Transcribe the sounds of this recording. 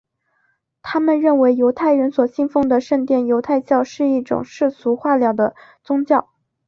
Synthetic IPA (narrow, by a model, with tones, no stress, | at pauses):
t̪ʰa˥mə˨nɻə˥˩nwe˧˥ɪjo˧˥ʊt̪ʰa˥˩ɪɻə˧˥nswɔ˨˩ɕi˥˧ŋfɤ˥˧ŋd̪ə˨ʂə˥˧nt̪jɛ˥˩njo˧˥ʊt̪ʰa˥˧ɪt͡ɕjɑ˥˧ʊʂɻ̩˥˧i˥˩ʈ͡ʂʊ̰˨˩ŋʂɻ̩˥˩t͡sʰu˧˥xwa˥˩ljɑ˨˩ʊd̪ə˩t͡sʊ˥ŋt͡ɕjɑ˥˩ʊ